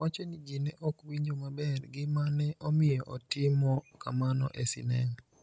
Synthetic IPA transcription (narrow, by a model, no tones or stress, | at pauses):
wat͡ʃɔnid͡ʒinɛʔɔkwiɲd͡ʒomabɛrɡɪmanɛʔomɪjɔʔotɪmɔka̰manɔ̰ʔesḭnɛŋ